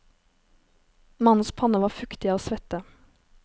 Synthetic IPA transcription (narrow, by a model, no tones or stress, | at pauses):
mɑnn̩spʰɑnəʋɑːfʉkt̪ɪɑːoːsʋɛt̪ə